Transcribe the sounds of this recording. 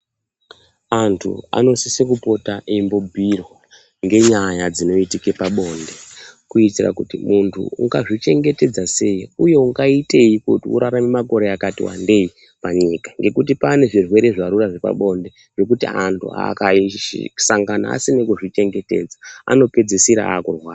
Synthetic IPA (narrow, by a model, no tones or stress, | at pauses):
antʰṵa̰no̞sisekupo̞taʔimbobʱirwa | ŋɡe̞ɲajad͡zino̞itikepaɓo̞ːnde̞kuitira̰kutimuntʰṵṵŋɡaʐit͡ʃe̞ŋɡe̞te̞d͡zase̞jiuje̞uŋɡaite̞ikutiṵɾaɾamimako̞ɾeakatḭwa̰nde̞i | paɲiːkḁŋɡe̞kutipane̞ʐirwe̞ɾe̞ʐaɾuraʐe̞pa̰ɓo̞nde | ʐ̥e̞kutḭantʰṵa̰kaḭsaŋɡana̰a̰sinekuʐit͡ʃe̞ŋɡe̞te̞̰d͡zaa̰no̞pe̞d͡zisiɾa̰ːkurwaː